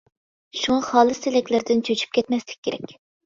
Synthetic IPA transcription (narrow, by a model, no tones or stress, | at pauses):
ʃuŋɑχɑːlˠɨsɪlɛkʲlɪɾd̪ɪnt͡ʃʰøt͡ʃʰy̥p̚kʲʰɛt̪mɛslɪ̥k̚ʲʰːeɾɛ̰kʲ